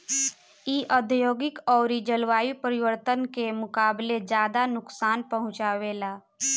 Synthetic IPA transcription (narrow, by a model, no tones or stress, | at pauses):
iʔəd̪ʱjoːɡɪkɔːɾid͡ʒəlʋaːjipəɾɪʋəɾt̪ənkemʊkaːbled͡ʒjaːd̪anʊksaːnpəɦʊ̃t͡ʃaːweːlaː